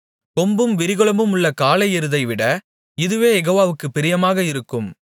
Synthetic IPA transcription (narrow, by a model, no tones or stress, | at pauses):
kɔmbɯmʋɪɾɪɣɔɭɐmɯmʊɭːɐkaːlɐɪɛɾɯðɐɪʋɪɽɐ | ɪðɯʋeːjɛɣoːʋaːʋɯkːɯpːɪɾɪjɐmaːɣɐɪɾɯkːɯm